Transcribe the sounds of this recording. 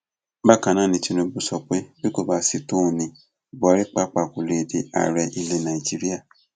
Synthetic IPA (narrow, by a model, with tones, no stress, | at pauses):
ba˦˨kã˨nã˦˨nĩ˧ti˧ñũ˧˦bu˦sɔ˧k͡pe˦bi˦ko˦˨ba˦si˦to˦˨nĩ˨ | bɔ˨˦ɾi˦k͡pa˦k͡pa˨ku˨le˨de˨a̰˨ɾɛ˧ʔi˧le˧nã˨i˨d͡ʒi˦ɾi˦a˦˨